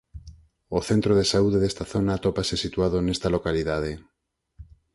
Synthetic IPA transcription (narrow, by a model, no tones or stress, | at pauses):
oθent̪ɾoð̞esauðeðest̪aθonaːt̪opasesit̪uað̞onest̪alokaliðað̞e